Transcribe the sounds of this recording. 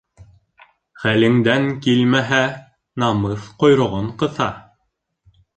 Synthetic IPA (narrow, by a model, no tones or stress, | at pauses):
χælɘ̆ŋd̪æŋkilmæɦæ | nɑmɤθqŏjɾŏʁoɴqɤ̆θɑ